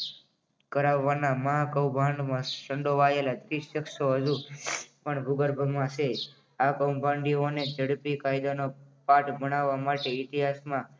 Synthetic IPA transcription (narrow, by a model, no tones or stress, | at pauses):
kəɾaʋːanaməɦakəwbʱãɳɖmãʃəɳɖoʋajelad̪ɾisːəkʃoɦəd͡ʒũpəɳbʱuɡəɾbʱəmãse | akəwbʱãɳɖioned͡ʒəɽpikajd̪onopaʈbəɽ̃aʋːamaʈeɪt̪iɦasmã